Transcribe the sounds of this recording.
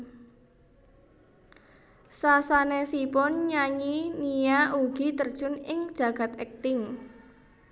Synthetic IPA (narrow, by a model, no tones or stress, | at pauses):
sasanesipʊnɲaɲinijaʔuɡ̥i̤t̪ərd̥ʒ̥ʊnɪŋd̥ʒ̥ä̤ɡ̥a̤t̪ɛk̚t̪ɪŋ